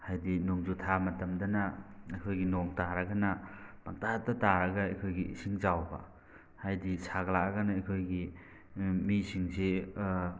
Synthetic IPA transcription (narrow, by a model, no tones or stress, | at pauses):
hajdinuŋzutʰamɐtɐmdɐnɐɐkʰojɡinoŋtaɾɐɡanɐb̥aŋtatɐtaɾɐɡaɐjkʰojɡḭsiŋzawba̰ | hajdisaɡlaaɡɐnaɐjkʰojɡi | misiŋse